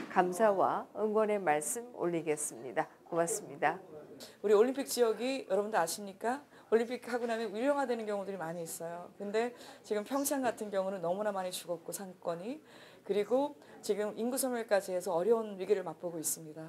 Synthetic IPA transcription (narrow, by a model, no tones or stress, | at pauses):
kamsʰawaɯŋɡwʌne̞maɭs͈ɯmo̰ʎːiɡe̞s͈ɯmɲidakomas͈ɯmɲidauɾioʎːimpʰik̚t͡ɕ͈iʌɡijʔʌɾʌbundɯɾaɕʰimɲik͈a | oʎːimpʰikhaɡunamjʌnuɾjʌŋɦadwe̞nɯnɡjʌŋudɯɾimaɲiːs͈ʌjokɯnde̞t͡ɕiɡɯmpʰjʌŋsʰaŋɡatʰɯnɡjʌŋunɯnːʌmunamaɲit͡ɕuɡʌt̚k͈osʰaŋk͈ʌɲi | kɯɾiɡo | t͡ɕiɡɯminɡusʰʌmjʌɭk͈ad͡ʑiɦe̞sʰʌʌɾjʌunɥiɡiɾɯɭmak̚p͈oɡois͈ɯmɲida